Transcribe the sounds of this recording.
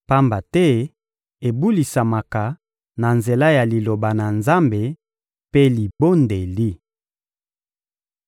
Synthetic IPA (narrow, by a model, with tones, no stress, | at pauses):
pa˦mba˨tɛ˦ | e˨bu˦li˨sa˨ma˨ka˨ | na˨nze˨la˦ja˨li˨lo˨ba˨na˨nza˦mbe˨ | pe˦li˨bo˦nde˨li˦